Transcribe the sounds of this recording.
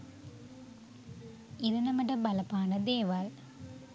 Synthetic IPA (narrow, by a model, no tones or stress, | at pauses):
ɪɾɐnɐmɐɖɐbɐlɐpːaːnɐd̪eːʋaːl